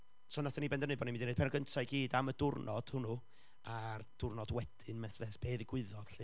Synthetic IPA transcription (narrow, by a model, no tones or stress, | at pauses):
sɔːnaθanibɛndənɨbɔdnimɪndinejd̚pʰɛnɔɡəntʰajɡiːdamədʊrnʔɔd̥hʊnu | ard̥ʊrnɔdwɛd̥ɪnmɛθvɛθb̥eːðiɡ̥wɪðɔðɬɨ